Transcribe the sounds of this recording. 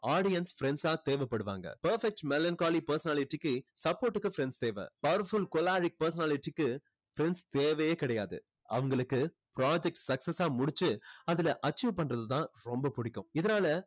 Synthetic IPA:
aːɽɪjɐnsfɾɛnsaːt̪eːʋɛpːɐɽɯʋa̰ːŋɡɐ̰pɐɾfɛk̚ʈmɛlankaːlipɐɾsɐnaːlɪʈːikːɯsɐpoːɾʈːɯkːɯfɾɛnst̪eːʋɛ̰pɐʋɐɾɐɾfʊlkɔlaːɾɪk̚pɐɾs̬ɐnaːlɪʈːikːɯ | fɪɾɛnst̪eːʋɐjeːkɪɽɐjaːðɯ̰ | ɐ̰ʋɐŋɡɐɭɯkːɯ | pɾaːd͡ʒɛk̚ʈsɐksɐsaːmʊɽɪt͡ʃːɯɐðɪlɐʔɐt͡ʃːuːʋpɐɳrɐðɐt̪ːãːɾɔmbɐpʊɽɪkːɯ̰̃ɪðɐnaːlɐ

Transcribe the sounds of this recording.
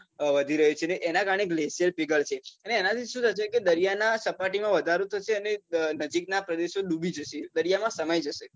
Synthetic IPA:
ʋəd̪ʱiɾəɦut͡ʃʰeneʔenakaɾəɳeɡleʃijəlpiɡəlt͡ʃʰeəneːnat̪ʰiʃũsəʃ̬eked̪əɾijanasəpaʈimãʋəd̪ʱaɾot̪ʰəʃeənenəd͡ʒik̚napɾəd̪eʃoɗubʱid͡ʒəʃed̪əɾijamãsəməjd͡ʒəʃe

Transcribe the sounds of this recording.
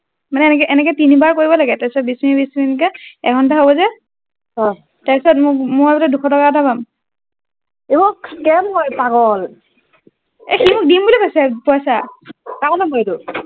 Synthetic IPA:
manɛnɛkɛʔɛnɛkɛtinibaɹkoɹibɔlaɡɛtɛsɔt̚bismibismnikɛɛkʰɔntaɦobɔzɛ | ɔ | taɹisɔtmʊmʊabulɔdukʰɔtɔkaɔtʰapam | ebɔkɛmɦɔjpaɡɔl | ɛximʊk̚dimbulipasapɔasakaɔnamɔtu

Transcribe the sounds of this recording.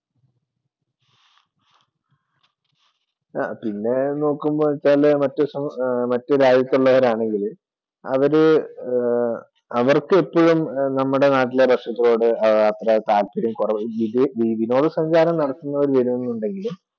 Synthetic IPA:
pinːe̞no̞ːkːumboʋɐt͡ɕːaːlmɐtːɨsɐmɐtːɨɾaːd͡ʑjɐt̪ːuɭːɐʋɐɾaːɳe̞ŋɡil | ɐ̰ʋɐɾɨ | ɐʋɐrkɨe̞pːoɻumnɐmːuɽe̞naːʈːile̞bɐkʂɐt̪ːɐlo̞ːɽɨɐːt̪rɐt̪aːlpiɾumkurɐʋid̪ʋiːb̪ʱino̞ːɽɨsɐɲd͡ʑaːɾɐmnɐɽɐkːunːɐʋɐɾuʋɐɾumenːuɳɖe̞ŋɡilum

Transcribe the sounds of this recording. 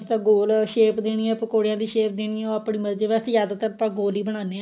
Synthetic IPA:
st̪ãɡoːlʃeːpd̪eːñiːɛ̃ːpəkoːɽjãːd̪iːʃeːp̚d̪eːniːɛ̃oːaːpɳiːməɾd͡ʒeːʋɛːsjaːd̪aːt̪əɾəpãːɡoːliːbəɽ̃aːne

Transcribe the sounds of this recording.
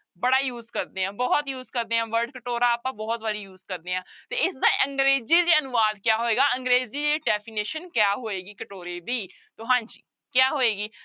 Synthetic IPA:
bəɽaːjuːzkəɾd̪eːãːbɔːt̪juːzkəɾd̪eːãːʋəɾɖkəʈoːɾaːpãːbɔːt̪ʋəɖiːjuːzkəɾd̪eːãːt̪eːɪsd̪aːʔə̃ŋɡɾeːziːd̪eːənʊʋaːd̪kjaːɦoːeːɡaːəŋɡɾeːziːd͡ʒeːɖɛːpʰiːneːʃənkjaːɦoːeːɡiːkəʈoːɾeːd̪iː | t̪oːɦãːd͡ʒiː | kjaːɦoːeːɡiː

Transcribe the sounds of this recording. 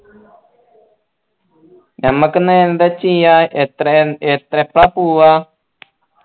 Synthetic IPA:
ɲaməknəend̪at͡ʃijaet̪ɾenet̪ɾepɾapua

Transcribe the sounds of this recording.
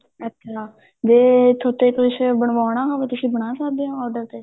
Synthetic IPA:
ətːʃʰaː | d͡ʒeːt̪ʰoːt̪eːkɪʃbəɳʋaːɳ̃aːɦãʋeːt̪ʊsĩːbəɳaːsəkd̪eːõːɔːɾɖəɾt̪eː

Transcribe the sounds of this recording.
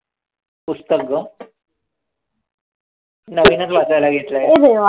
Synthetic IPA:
pust̪əkːə | nəʋinət͡sʋat͡sajlaɡʱet̪laeed̪eʋa

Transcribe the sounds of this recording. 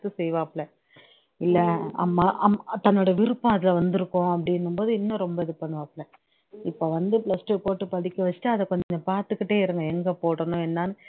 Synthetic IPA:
t̪ːɯsɛjʋãːɐpːɭɛ̃ | ɪlːɛɐ̰mːaːʔɐt̪ɐnːoːɽɐɐʋɪɾɯpːɐ̃ɐðɪlʋɐnd̪ɯɾɯkːʊ̃ɐpːɐɽɪnːɯmboːðɯɪnːʊ̃ɾɔmbɐɛðɯpːɐɳːɯʋɐpːɭɛ̃ | ɪpːoːʋɐnd̪ɯpɭlɐsʈepoːʈːɯpɐðɪkʲːɐʋɐt͡ʃːɯ̥ʈːaɐðɛkɔɲd͡ʒɐɲd͡ʒɐpaːɾt̪ɯkːɪʈːeːɪɾɯŋɡɐɛŋɡepoːɽɐnʊ̃ɛnːaːnɯ

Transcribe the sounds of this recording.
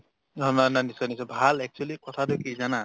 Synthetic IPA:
ɦɔnananisɔnisɔbʱalɛk̚t͡ʃualikɔt̪ʰadekizana

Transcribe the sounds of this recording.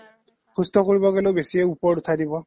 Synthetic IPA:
xʰustɔkoɹibɔɡɛlobesiɛupɔɹutʰadibɔ

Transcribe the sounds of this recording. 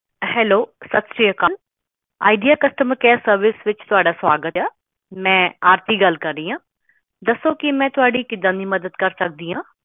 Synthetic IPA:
hɛːloːsət̪sɾiːəkãːn | a̰ːiɖijaːkəsʈəməɾkɛːsəɾʋɪsʋɪt͡ʃt̪ʊaːɖaːsaːɡət̪ɛː | mɛ̃ːaːɾt̪iːɡəlkəɾːiːãː | d̪əsːoːkɪmɛ̃ːt̪ʊaːɖiːkɪd̪ãːnd̪iːməd̪əd̪kəɾsək̚d̪iːɦãː

